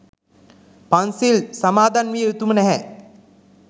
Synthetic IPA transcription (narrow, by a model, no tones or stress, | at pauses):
pansilsɐmaːd̪anʋieut̪umənɛɦɛ